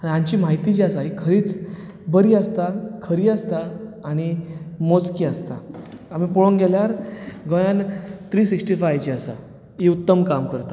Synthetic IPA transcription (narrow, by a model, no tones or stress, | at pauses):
aɽ̃iãɲt͡ɕiːmaɦit̪it͡ɕiasaikʰəɾiːt͡s | bəɾiːəst̪akʰəɾiːəst̪aːɽ̃imot͡skiːəst̪aam̤ipoɭonɡʱɛljaɾɡõjant̪ɾiːsiksʈifajt͡ɕiasa̰ | iut̪ːəmkamkəɾt̪a